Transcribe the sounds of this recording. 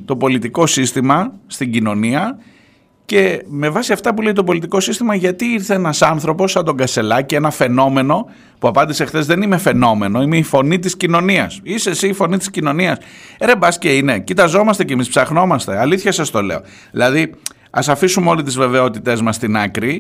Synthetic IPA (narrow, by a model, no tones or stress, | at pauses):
t̪o̞po̞lit̪iko̞sist̪imɐst̪iɲɟino̞niɐ | ce̞me̞vɐsiɐft̪ɐpulejt̪opo̞lit̪iko̞sist̪imɐʝɐt̪iiɾθeenɐsɐnθɾo̞po̞sːɐnd̪o̞ŋɡɐst̪e̞lɐcie̞nɐfe̞no̞me̞no̞ | puɐpɐnd̪ise̞xθe̞zðe̞nime̞fe̞no̞me̞no̞ime̞ifo̞nit̪̬iscino̞niɐsisesiːfo̞nit̪i̥scino̞niɐseɾe̞bɐsceine̞cit̪ɐzo̞mɐst̪e̞cemispsɐxno̞mɐst̪e̞ɐliθçɐsɐst̪o̞le̞̰o̞̰ | ðilɐði | ɐsɐfisumeo̞lit̪̬izve̞ve̞o̞t̪it̪e̞zmɐst̪inɐkɾi